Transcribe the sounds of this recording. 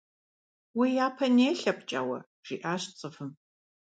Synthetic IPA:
wijaːpʰɐneːɬɐpt͡ʃʼa̰wɐ̰ | ʒ̥iːʔaːɕt͡sʼɨfɨm

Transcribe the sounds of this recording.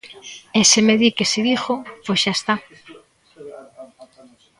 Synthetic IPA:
esemeðikeseðixoposʃaest̪a

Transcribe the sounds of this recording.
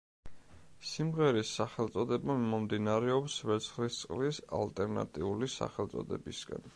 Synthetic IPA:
simʁɛɾisːaχɛlˠt̪sʼɔd̪ɛbaːɔmd̪inaɾɛɔpsvɛt̪sʰχlist̪sʼqʼlisa̰lt̪ʼɛɾna̰t̪ʼiulisa̰χɛlt̪sʼɔ̰d̪ɛ̰bisɡa̰n

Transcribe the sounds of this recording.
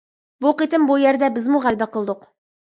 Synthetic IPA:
buqit̪ɘmbujæɾd̪æbɘzmuʁælbæqɤ̆lˠd̪ɤq

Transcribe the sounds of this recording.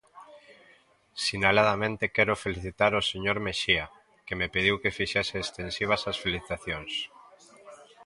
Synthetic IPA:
sinalað̞amẽnt̪ekɛɾofeliθit̪aɾoseɲoɾmeʃia | kemepið̞iwkefiʃɛseːst̪ensiβ̞asasfeliθit̪aθjoŋs

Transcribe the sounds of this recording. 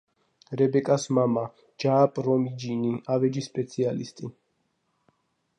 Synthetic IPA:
ɾɛbɛkʼasmama | d͡ʒaːpʼɾɔmid͡ʒiniavɛd͡ʒispʼɛt̪sʰialḭst̪ʼi

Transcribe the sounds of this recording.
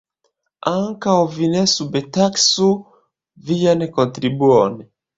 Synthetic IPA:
aŋkaovinɛsubɛtaksu | vijanɛkɔ̃nt̪ɾibuɔnɛ

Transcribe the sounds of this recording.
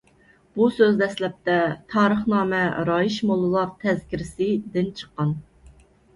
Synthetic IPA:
b̥usøzd̪ɛslɛp̚t̪ɛt̪ʰɑːɾəχnɑːmɛɾɑjiʃmolˠɨlˠɑɾt̪ʰɛzkʲʰiɾɪsɪd̪ɪnt͡ʃʰə̥qːɑn

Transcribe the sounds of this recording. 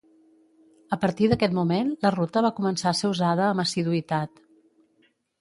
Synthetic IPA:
əpəɾt̪iðəkɛt̪mumenlərut̪əβakumənsaseuzaðəːməsiðuit̪at̪

